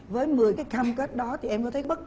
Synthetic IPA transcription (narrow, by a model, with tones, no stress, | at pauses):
vəː˨˦jmɨ˨˩əjkaː˨˦jxaː˧mkəː˦˥t̚ɗɔ˨˦t̪ʰi˨˩ʔɛ˧mkɔ˨˦t̪ʰjɓə˦˥t̚